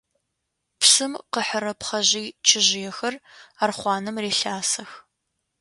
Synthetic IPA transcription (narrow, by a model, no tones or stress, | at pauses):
psɨmqəħəɾɐpχɐʑiːt͡ʃʰɪʑɪjɛxɐraːrχʷɑːnɨmreːɬaːsɐx